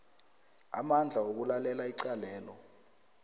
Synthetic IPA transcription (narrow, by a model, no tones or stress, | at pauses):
a̰mand͡ɮʱaok̬ulalɛlaiǀalɛːlɔ